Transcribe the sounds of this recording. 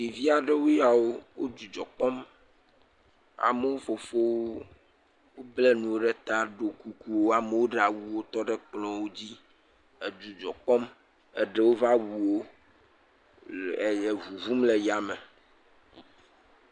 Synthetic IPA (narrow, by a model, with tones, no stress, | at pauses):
di˨vi˦a˨ɖɛ˦wo˦ja˨wo˦wo˦d͡ʒu˨d͡ʒɔ˨k͡pɔ˦m | a̰˨me˦wo˦fo˨fo˦wo˦ | wo˦blɛ˦nũ˨wo˦ɖɛ˦t̪a˦ɖo˨ku˨ku˦wo˦a˨me˦wo˦ɖɛ˦˨a˨wu˨wo˦t̪ɔ˦ɖɛ˦k͡plɔ̃˨wo˦d͡ʑi˦ | ɛ˨d͡ʒu˨d͡ʒɔ˨k͡pɔ˦m | ɛ˦ɖɛ˦wo˦va˦wu˨wo˦ | ɛ˨jɛ˨vu˨vu˦mlɛ˨ja˨mɛ˨